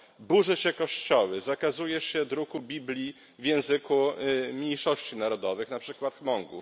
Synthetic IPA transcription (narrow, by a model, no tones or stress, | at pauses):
buʐɛɕɛkɔɕt͡ɕɔwɘzakazujɛʂɕɛd̪ɾukubʲiblʲi | vʲjɛ̃w̃zɘkumʲɲejʂɔɕt͡ɕinaɾɔd̪ɔvɘxnapʂɘkwat̪xmɔŋɡṵ